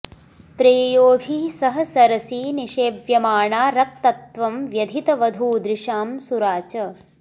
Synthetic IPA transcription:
pɾeːjoːbʱiːsɐɦɐ̆sɐɾɐsiːniʃeːbjɐmaːɳaːɾɐk̚t̪ɐt̪ʋɐmʋjɐd̪ʱit̪ɐʋɐd̪ʱuːd̪ɾɪʃaːmsuɾaːt͡ʃɐ

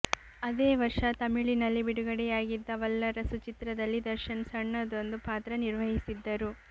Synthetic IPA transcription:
ɐd̪eːʋɐɾʂɐt̪ɐmiɭinɐlːibiɽuɡɐɽɛjaːɡid̪ːɐʋɐlːɐɾɐsut͡ʃit̪ɾɐd̪ɐlːid̪ɐɾʃɐnsɐɳːɐd̪o̞nd̪upaːt̪ɾɐniɾʋɐɦisid̪ːɐɾu

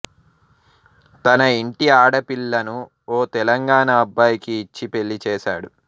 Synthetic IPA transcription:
t̪ɐnɐiɳʈiaːɽɐpiɭːɐnu | oːt̪ɛlɐŋɡaːɳɐːbːaːjikiːt͡ʃːipe̞ɭːit͡ʃɛːʃa̰ːɽu

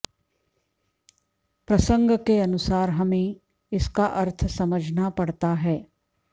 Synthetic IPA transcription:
pɾɐsə̃ŋɡkeɐnʊsaːɾɦɐmẽ | ɪskaʔɐɾt̪ʰsɐməd͡ʒʱnapɐɽt̪aɦɛː

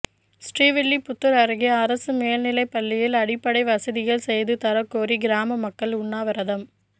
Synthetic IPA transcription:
sʈriːʋɪɭːipʊt̪ːɯɾɐɾɯɣiɐɾɐsɯmeːlnɪlɐɪpːɐlːɪjɪlɐɽɪpːɐɽɐɪʋɐsɐðɪɣɐɭsɛjðɯt̪ɐɾɐkːoːɾiɡɪɾaːmɐmɐkːɐɭʊɳːaːʋɐɾɐðɐm

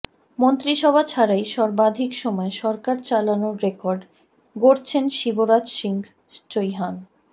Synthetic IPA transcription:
mont̪ɾiʃɔbʱat͡ɕʰaɾajʃɔɾbad̪ʱikʃɔmɔeʃɔɾkaɾt͡ɕalanoɾekɔɾɖ | ɡoɾt͡ɕʰenʃiboɾad͡ʑʃiŋɡ | t͡ɕojɦan

